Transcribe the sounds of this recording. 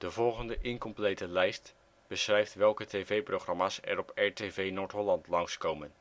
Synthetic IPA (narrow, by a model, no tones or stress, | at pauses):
d̥əvɔlˠχəndəʔɪŋkɔmplejtəlɛjst | b̥əsχrɛjftʋɛlˠkətejvejprowχrɑmaːsɛ̰ɾɔpɛɹtevejnoːɹtɦɔlɑntlɑŋskowmən